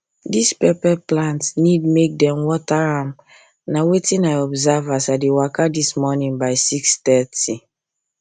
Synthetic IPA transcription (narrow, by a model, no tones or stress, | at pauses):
dispɛpɛplãntsnidmek̚dɛ̃mwɔtaɹãm | nawetĩnajɔbzɛvasadewakadismɔnĩnbaɪsikstɛti